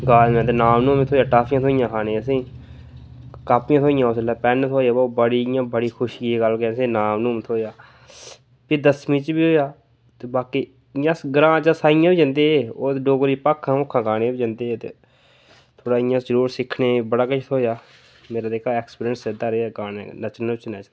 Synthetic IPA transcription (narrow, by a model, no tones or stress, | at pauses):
ɡaːlmɛ̃ːt̪̬enaːmnũːmẽt̪ʰoːjaːʈaːpjãːt̪ʰoːijãːkʰaːneːəs̬ĩː | kaːpɪãːt̪ʰoːɪjãːʊslaːpɛːnt̪ʰoːjaːbbəɽiːjãːbəɽiːxʰʊʃɡiːɡəlkɛsĩːnaːmnũːmːt̪ʰoːjaː | pɪd̪əsmĩːt͡ʃbiːɦoːjaː | t̪eːbaːkiː | jãːsɡəɾãːt͡ʃasaːɪjãːbid͡ʒə̃nd̪eːeːoːt̪ːɖoːɡɾiːpaːkʰːãːʊkʰːãːkaːñẽːbiːd͡ʒə̃nd̪eːt̪ḛː | t̪ʰoːɽaːɪjãːzəɾuːɾsɪkʰneːbəɽaːkət͡ʃt̪ʰoːjaː | meːɾaːd̪eːkʰaːɛːkspːɾiənseːd̪aːɾeaːkaːnɛ̰̃nət͡ʃnɪt͡ʃnɛ̃ːt͡ʃː